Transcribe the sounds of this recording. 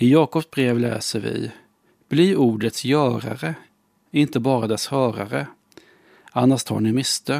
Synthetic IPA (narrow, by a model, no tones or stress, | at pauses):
ɪjɑːkɔpsbɾeːvlɛ̰ːsəɾvɪ̰ | b̥liːɾuːɖət̪sjœːɾa̰ɾə | ɪnt̪əbɑːɾad̪ɛshœːɾaɾə | anːaʂt̪ʰɑ̰ɳɪmɪst̪ʰœ